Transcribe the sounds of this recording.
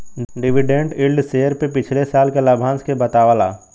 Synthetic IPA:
ɖɪʋiɖẽɳɖɪlɖseːəɾpepɪt͡ʃʰlesaːlkelɐbʱãːnskebɐt̪aːʋalaː

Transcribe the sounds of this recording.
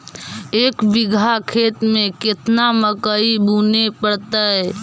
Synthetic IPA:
eːkʋɪɡʱakʰeːt̪mẽkɪt̪naməkəibuːnepəɽt̪aɦɛ

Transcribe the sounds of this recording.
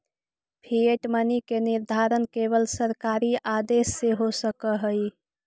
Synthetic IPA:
pʰieʈmənikeniɾd̪ʱaɾənkeβəlsəɾkaɾiad̪esːeɦosəkəɦəj

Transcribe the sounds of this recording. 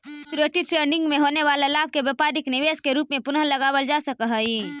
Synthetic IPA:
kɾeʈiʈɾeːɖɪ̃ŋɡmẽɦoːneʋaːlelaːb̚ʱkebjəːpaːɾɪknɪʋeːskeɾuːpmẽpʊnələɡaːwəld͡ʒaːsəkəɦəiː

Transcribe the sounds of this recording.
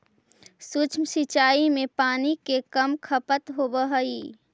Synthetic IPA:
sut͡ʃʰmsit͡ʃaːimẽpaːnikekəmkʰəpət̪ɦobəɦəi

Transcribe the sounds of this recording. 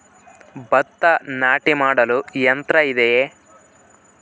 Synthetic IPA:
bɐt̪ːɐnaːʈimaːɽɐlujɐnt̪ɾɐid̪ejeː

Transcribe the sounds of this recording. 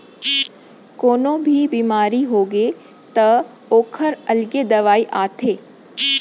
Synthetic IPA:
koːnõbʱibiːmaːɾiɦoːɡe | t̪ɐ | oːkʰəɾɐlɡed̪ɐʋaːiʔaːt̪ʰeː

